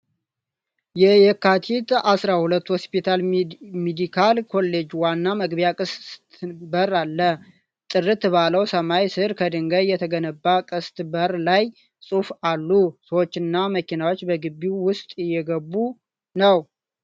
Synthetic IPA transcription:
jɛjɛkːat̪ʰit̪asɾahulət̪ːho̞spit̪ʰalmed̪ikʰalkʰo̞lːe̞d͡ʒwanːaməɡbjakʼɨst̪bəɾalːə | t̪ʼɨrːɨt̪baləwsəmajsɨɾkʰəd̪ɨŋɡəjɛt̪ʰəɡənəbːakʼɨst̪bəɾlaj | sʼufalːusəwot͡ʃːɪnːaməkinawo̞t͡ʃːbəɡɨbːiwʊst̪ʼɪjːɛɡəbːu | nəw

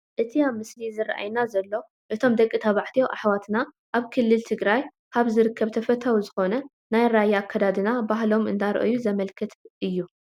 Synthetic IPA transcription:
ʔɨt̪ʰiamɨslizɨr̰ʔa̰jnazɐlːo̞ | ʔɨt̪ʰo̞md̪ɐkʼːɨt̪ʰɐβaʕt̪ʰijoʔaħwat̪na | ʔaβkʰɨlːɨlt̪ʰɨɡɾaj | kaβzɨɾɨkʰːɐβt̪ʰɐfɐt̪ʰawzɨxo̞nɐ | najɾajːakʰːɐd̪ad̪ɨnabaɦlo̞mɨ̰nd̪aɾ̰ʔɨ̰juzɐmɐlkʰɨt̪ʰʔɨjːu

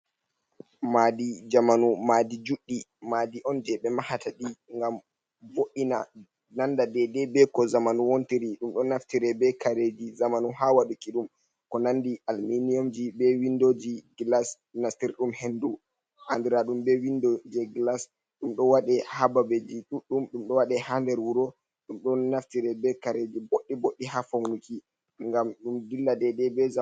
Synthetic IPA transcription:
madid͡ʒamanumadid͡ʒuɗːimaːdiʔɔnd͡ʒɛɓɛmahataɗiŋɡam | voɗːina | nandadɛdɛbɛkɔzamanuwontiɾiɗumɗɔnaftiɾɛbɛkaɾed͡ʒizamanuhawaɗukiɗum | kɔnandiʔalminijomd͡ʒibɛwindod͡ʒiɡlas | nastiɾɗumhendu | handiɾaɗumbɛwindɔd͡ʒɛɡlas | ɗumɗɔwaɗɛhababed͡ʒiɗuɗːumɗumɗɔwaɗɛhandɛɾwuɾɔ | ɗumɗɔnaftiɾɛbɛkaɾed͡ʒiboɗːiboɗːihafawnuki | ŋɡamɗumdilːadɛdɛbɛ

